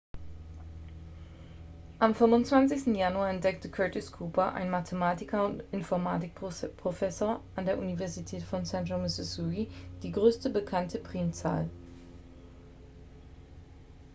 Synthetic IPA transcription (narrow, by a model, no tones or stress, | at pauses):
ʔamfʏmʊntt͡sv̥ant͡sɪçstn̩januaɐɛntd̥ɛk̚təkʰœːtɪskʰuːpɐʔa̰ɪnmatʰəmaːtɪkʰɐʊntɪnfɔɐma̰ːtɪk̚pʁ̥ofɛsoːɐʔandeːɐʔunivɛɐzitʰɛːtfɔnsɛndʁomɪsɪsuid̥iːɡʁøːstəbəkʰantʰəpʁ̥iːmt͡sa̰ːl